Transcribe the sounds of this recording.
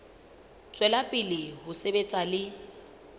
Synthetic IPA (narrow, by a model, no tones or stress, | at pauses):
t͡sʼwɛlapʼɪlɪɦʊsebet͡sʼalɪ